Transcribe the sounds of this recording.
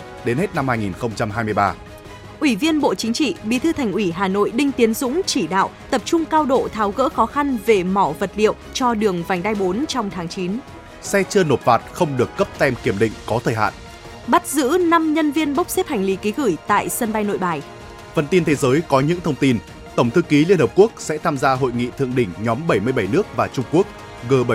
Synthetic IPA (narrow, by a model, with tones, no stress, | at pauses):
ɗe˨˦nhe˦˥t̚na˧mhaː˧jŋi˨˩nxə˧wŋ͡mt͡ɕa˧mɦaː˧jmɨ˧əjɓaː˧ | ʔwi˧˩vi˧ənɓo̰˧˨t͡ɕï˨˦ŋ̟t͡ɕḭ˧˨ɓi˨˦t̪ʰɨ˧t̪ʰa˨˩jŋ̟ʔwi˧˩ɦaː˨˩no̰˧˨jɗï˧ŋ̟t̪i˨˦ənzʊ̰˧˥ŋ͡mt͡ɕi˧˩ɗa̰ː˧˨wt̪ə˨˩p̚t͡ɕʊ˧ŋ͡mkaː˧wɗo̰˧˨t̪ʰaː˨˦wɣə̰ː˧˥xɔ˨˦xa˧nve˨˩mɔ˧˩və˨˩t̚lḭ˧˨əwt͡ɕɔ˧ɗɨ˨˩əŋva˨˩jŋ̟ɗ̪a˧jɓo˨˦nt͡ɕɔ˧wŋ͡mt̪ʰaː˨˦ŋt͡ɕi˨˦n | sɛ˧t͡ɕəː˧no˨˩t̚faː˨˩t̚xə˧wŋ͡mɗɨ˨˩əkːə˦˥p̚t̪ɛ˧mki˧˩əmɗḭ̈˧˨ŋ̟kɔ˨˦t̪ʰəː˨˩jɦa̰ː˧˨nʔ | ɓa˦˥t̚zɨ̰˧˥na˧mɲə˧nvi˧ənɓə˦˥wk͡p̚sɛ˦˥p̚ha˨˩jŋ̟li˨˦ki˨˦ɣɨ˧˩jt̪a̰ː˧˨jsə˧nɓa˧jno̰˧˨jɓaː˨˩j | və˧nt̪i˧nt̪ʰe˨˦zəː˨˦jkɔ˨˦ɲɨ̰˧˥ŋt̪ʰə˧wŋ͡mt̪i˧n | t̪ə˧˩wŋ͡mt̪ʰɨ˧ki˨˦li˧ənhəː˨˩p̚ku˦˥ək̚sɛ̰˧˥t̪ʰaː˧mzaː˧ɦo̰˧˨jŋḭ˧˨t̪ʰɨ̰˧˨əŋɗï˧˩ŋ̟ɲɔ˨˦mɓə˧˩jmɨ˧əjɓə˧˩jnɨ˦˥ək̚vaː˨˩t͡ɕʊ˧ŋ͡mku˦˥ək̚ | ɣəː˨˩ɓə˧˩